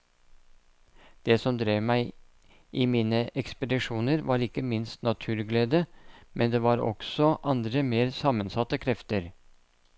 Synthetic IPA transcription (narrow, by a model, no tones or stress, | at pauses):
d̪̥eːsɔmd̪ɾeːʋmæɪ | ʔɪmiːnəʔɛkspəd̪ɪʂuːnəɾʋɑːɾɪkəmɪnst̪nɑt̪ʰʉːɾɡleːd̪əmʔɛnd̪eːʋɑːɾɔ̰ksɔʔɑnd̪ɾəmeːɾsɑmənsɑt̪ːəkʰɾɛft̪əɾ